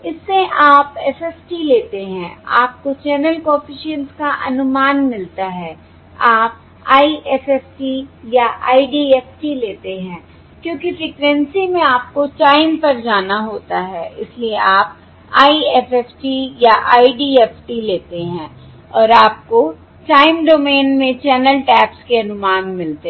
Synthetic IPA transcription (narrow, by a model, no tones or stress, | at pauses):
ɪsːeʔaːpɛsɛːsʈileːt̪eɦɛ̃ːa̰ːp̚kot͡ʃɛːnəlkɔːfɪʃiənskaʔɐnʊmaːnmɪlt̪aɦɛː | aːp̚ | aːiʔɛsɛːsʈijaʔa̰ːiɖiːɛːfʈileːt̪eɦɛ̃ː | kjõːkifɪkɾɛ̃nsimẽaːp̚kot͡ʃaːɪmpɐɾd͡ʒaːnaɦoːt̪aɦɛːɪslieʔaːp̚ | aːiɛfɛfʈijaʔaːiɖiːɛːfʈileːt̪eɦɛ̃ː | ɔːɾaːp̚ko | t͡ʃaːɪmɖoːmeːnmẽt͡ʃɛːnəlʈɛːpskeɐnʊmaːnmɪlt̪e